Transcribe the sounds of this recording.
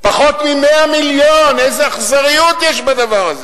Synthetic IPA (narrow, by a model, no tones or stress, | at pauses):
paχo̞t̪mimeamiljonejzeaχzaʁijut̪jeʃbad̪avaʁaze